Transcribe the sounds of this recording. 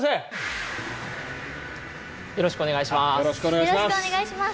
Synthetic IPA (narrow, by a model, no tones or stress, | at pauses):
se | jo̞ɾo̞ɕi̥kɯone̞ɡaiɕimajoɾoɕi̥koneɡaiaoneɡaiɕima